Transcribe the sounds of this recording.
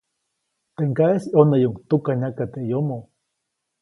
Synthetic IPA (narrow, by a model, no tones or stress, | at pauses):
t̪eŋkaesionajuŋt̪ukaɲakat̪eʔjomo